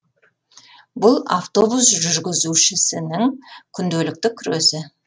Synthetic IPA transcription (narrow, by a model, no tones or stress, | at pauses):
bʊlˠaft̪o̞busʒʏɾɡʲɪzuʃɪsɪnɪŋkʲʰʏnd̪elɪk̚t̪ɪkʲʰʏɾesɪ